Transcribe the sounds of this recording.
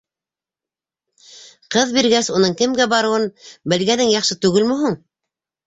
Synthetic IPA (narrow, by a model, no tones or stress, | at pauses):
qɤðbiɾɡæsunɤɴkɘ̆mɡæbɑɾɤ̆wɤnbɘ̆lɡænɘŋjɑχʃɤt̪ʉɡɘlmɵɦuɴ